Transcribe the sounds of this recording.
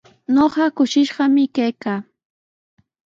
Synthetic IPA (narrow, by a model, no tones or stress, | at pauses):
ɲoɢɑkʊʃɪʃɢɑmɪkajkaː